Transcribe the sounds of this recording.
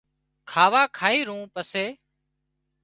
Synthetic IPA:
kʰaːʋaːkʰaːiːɾũːpəseː

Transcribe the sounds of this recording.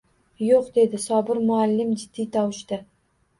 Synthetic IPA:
joqd̪e̞d̪ɪsɒbɪɾmʊalːɪmd͡ʒɪd̪̥ːijt̪ʰɒwʃt̪ɪ

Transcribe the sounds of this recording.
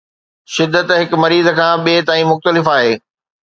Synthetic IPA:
ʃɪd̪ːət̪ɦɪkmɐɾiːzəkʰãːɓeːt̪aːĩmʊxt̪əlɪfaːɦeː

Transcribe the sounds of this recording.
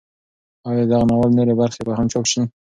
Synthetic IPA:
ɑjɑd̪aɣanawalnoɾebaɾxebahamt͡ʃokʃi

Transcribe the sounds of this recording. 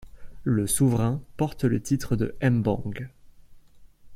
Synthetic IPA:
ləsuvʁɛ̃pɔʁt̪lət̪it̪χəd̪ə̰ʔɛmbɑ̰̃ɡ

